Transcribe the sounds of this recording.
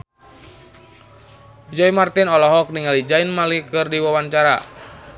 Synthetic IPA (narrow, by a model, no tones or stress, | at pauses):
d͡ʒɔimart̪inɔlɔɦɔk̚niŋalid͡ʒainmalikɨrdiwawaɲt͡ʃaɾa̰